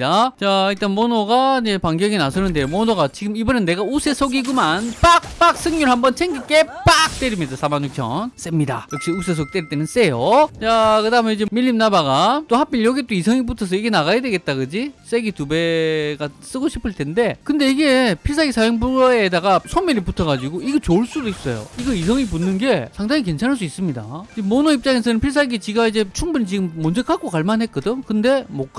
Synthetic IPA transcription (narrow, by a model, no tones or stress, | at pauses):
dat͡ɕait͈anmonoɡad͡ʑe̞paŋɡjʌɡinasʰʌnɯnde̞jomonoɡat͡ɕiɡɯmibʌnɯnːe̞ɡaus͈ʰesʰoɡiɡumanpak̚p͈ak̚s͈ʰɯŋɲuɭhambʌnt͡ɕʰeŋɡik͈e̞pak̚t͈e̞ɾimɲidasʰamanɲuk̚t͡ɕʰʌ̰ns͈emɲida̰jʌk̚ɕ͈ius̬ʰes̬ʰoɡ̚it͈eɾiɭt͈enɯns͈e̞jot͡ɕakɯdaɦɯmeid͡ʑemiʎːimnabaɡat͈ohap͈iɭjʌɡit͈oisʰʌŋibutʰʌs̬ʰʌiɡe̞naɣajadwe̞ɡe̞t̚t͈aɡɯd͡ʑis͈e̞ɡitube̞ɡas͈ɯɡoɕʰi̥pʰɯɭtʰe̞nde̞kɯnde̞iɡe̞pʰiɭs̬ʰaɡisʰajoŋbuedaɡasʰomːiɾiputʰʌɡad͡ʑiɡoiɡet͡ɕoɭs͈udois͈ʌjo̰iɡʌisʰʌŋipunːɯnɡe̞sʰaŋdaŋik̬e̞nt͡ɕʰanɦaɭs̬͈uis͈ɯmɲida̰emonoip̚t͡ɕ͈aŋes̬ʰʌnɯnpʰiɭs̬ʰaɡit͡ɕiɡaid͡ʑe̞t͡ɕʰuŋbunit͡ɕiɡɯmːʌnd͡ʑek͈ʰak͈okaɭmanɦe̞k͈ʌdɯkɯnde̞mok͈ʰ